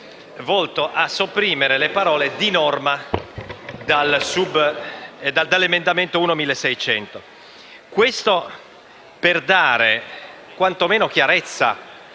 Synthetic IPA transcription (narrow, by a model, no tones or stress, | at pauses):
vɔlt̪oʔasːopːɾiːmeɾelepaɾɔːled̪inɔrma | d̪alsub | d̪ad̪alːemend̪ament̪ouːnomilːesɛjt͡ʃɛ̰nt̪o | kwest̪o | perd̪aːɾe | kwant̪omeːnok̟jaɾet̪sːa̰